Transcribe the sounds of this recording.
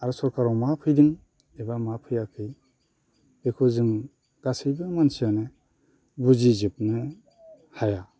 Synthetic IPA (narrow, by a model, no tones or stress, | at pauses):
aɾɯsɔɾkʰaɾɔwmapʰɯjdɯŋ | ebamapʰɯjakʰɯj | ekʰozɯŋ | ɡ̥asɯjbɯmansijanɯ | buzizip̚nɯ | haja